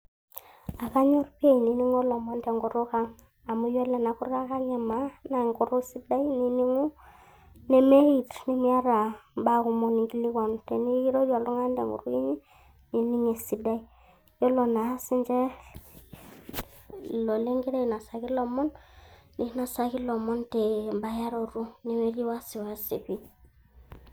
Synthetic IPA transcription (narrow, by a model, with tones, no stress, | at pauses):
a˨ka˦ɲo˦rpe˦i˨ni˨ni˦ŋo˦lɔ˨mɔ˦nde˨ŋɡu˨ɾu˦ka˦ŋ | a˨mu˦jɛ˦lɛ˨na˨ku˦ɾa˦ka˦ŋɛ˨ma˨˦na˨ŋɡu˨ɾu˦si˦da˦i˦ni˨ni˦ŋu˦ | ne˨me˦ɾi˨tni˨mi˦a˦ɾa˨ba˦ku˨mɔ˨ni˨ŋɡi˦li˦kɔ˨ntɛ˨ni˦i˦ɾo˦d͡ʒa˨lu˦ŋa˦ndḛ˨ŋɡṵ˨ɾu˦i˦ɲi˦ | ni˨ni˦ŋe˨si˨da˦i˦ | jɔ˦lo˨na˨˦si˦nd͡ʒɛ˦ | lɔ˨le˦ŋɡi˦ɾa˦i˨na˨sa˨ɡi˦lɔ˨mɔ˦nni˦na˨sa˨ki˦lɔ˨mɔ˦nte˨mba˨ja˦ɾo˨ɾu˦ne˨me˦ɾi˦wa˦si˨wa˦si˨pi˦